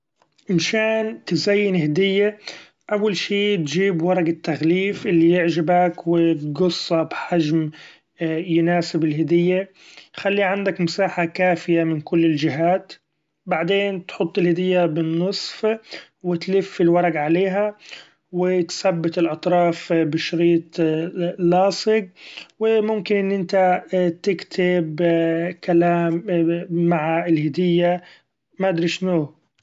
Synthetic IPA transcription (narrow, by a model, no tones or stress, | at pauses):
ʔɪnʃaːnt̪ɪzajːɪnhɪd̪ɪjːa | ʔawːalʃiːt̪d͡ʒiːbwɑɾˤɑɡat̪ːaɣliːfʔɪlːijɪʕd͡ʒɪbakwɪt̪̚ɡʊsˤːɑbħad͡ʒm | jʊnaːsɪbɪlhɪd̪ɪjːa | xalːiʕand̪akmʊsaːħakaːfɪjamɪnkʊlːɪld͡ʒɪɦaːt̪ | baʕd̪eːnt̪ħʊt̪ˤːɪlhɪd̪ɪjːabɪnːɨsˤf | wɪt̪lɪfːɪlwɑɾˤɑɡʕaleːɦa | wɪt̪sabːɪt̪ɪlʔɑt̪ˤɾˤɑːfbɪʃʊɾiːt̪ˤ | lːɑːsˤɪɡ̚wɪmʊmkɪnʔɪnːʔɪnt̪at̪ɪkt̪ʰɪbkalaːmː | aʕaɪlhɪd̪ɪjːa | maʔd̪ɾiʃno